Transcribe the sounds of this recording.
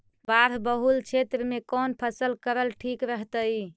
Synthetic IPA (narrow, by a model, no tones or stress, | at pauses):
baɾbəɦult͡ʃʰet̪ɾəmekɔnpʰəsəlkəɾəlʈʰikɾəɦt̪əi